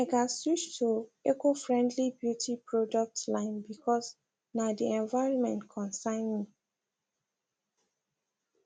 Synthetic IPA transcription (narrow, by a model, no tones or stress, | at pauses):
ɛɡasjut͡ʃtʰuekofɹɛ̃ndlibjutʰipɹɔdɔk̚tlãɪ̃nbikʰɔs | nadiɛ̃nvaɪɹɔ̃nmɛ̰̃ntkʰɔ̃nsãɪ̃nmi